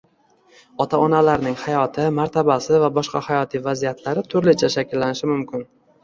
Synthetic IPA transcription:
ɒt̪ʰaɒnalaɾnɪŋhajɒt̪ʰɪmaɾt̪ʰabasɪvabɒʃqɑhajɒt̪ʰivazijat̪ʰlaɾɪt̪ʰʊɾlɪt͡ʃʰaʃakʲɪlːanɪʃɪmʊmkʲɪn

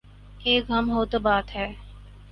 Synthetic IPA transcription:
eːkɦɐmɦoːt̪obaːt̪ɦɛː

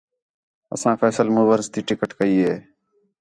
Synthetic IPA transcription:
ə̰sãːfʰeːsəlmuːʋəɾst̪iːʈɪkəʈkəiːɦeː

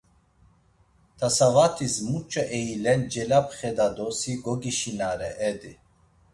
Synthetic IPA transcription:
t̪ʰasavat̪ʰizmut͡ʃʼaʔɛilɛnd͡ʒɛlapχɛd̪ad̪ɔsiɡɔɡiʃinaɾɛʔɛd̪i

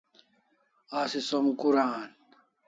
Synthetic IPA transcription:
asisomkuɾaːn

